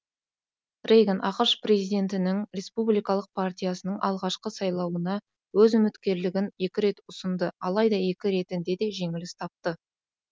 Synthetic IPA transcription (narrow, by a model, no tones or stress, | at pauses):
rejɡʲenʔɑqəɾʃpɾe̞zijd̪e̞nt̪ɪnɪŋɾe̞spublijkɑlˠəq̚pʰart̪ʲijasənəɴʔɑlˠʁɑʃqəsɑjlˠɑwənɑ | wɵzʏmɪt̪kʲe̞ɾlɪɡʲɪnje̞kʲɪɾe̞t̪ʊsənd̪əɑlˠɑjd̪ɑje̞kʲɪɾe̞t̪ɪnd̪e̞d̪e̞ʒe̞ŋɪlɪst̪ʰɑp̚t̪ə